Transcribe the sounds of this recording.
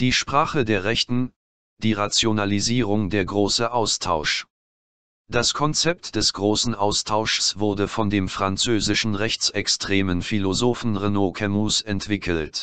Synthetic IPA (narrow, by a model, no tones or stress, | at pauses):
d̥iːʃpʁ̥aːχədeːɐʁɛçtn̩ | d̥iːʁat͡sjonaliziːʁ̞ʊŋdeːɐɡʁoːsəʔaʊstʰaʊʃ | d̥askʰɔnt͡sɛp̚td̥ɛsɡ̥ʁoːsn̩ʔaʊstʰaʊʃsv̥ʊɐdəfɔndeːmfʁ̥ant͡søːzɪʃn̩ʁɛçt͡sɛkstʁ̥eːmənfilozoːfn̩ʁenoːkʰɛmusɛntv̥ɪkʰəlt